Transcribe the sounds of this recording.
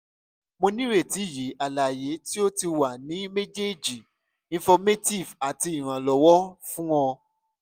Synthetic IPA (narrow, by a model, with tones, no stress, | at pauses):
mo˧nĩ˦ɾe˦˨ti˨˦˨ji˨˦ʔa˨la˨je˨˦ti˦o˦ti˧wa˨nĩ˨˦me˦d͡ʒe˦d͡ʒi˨ | ĩ˧fɔ˧me˦ti˦˨va˨ti˧i˨ɾ̃ã˨lɔ˨wɔ˦fũ˦wɔ̃˧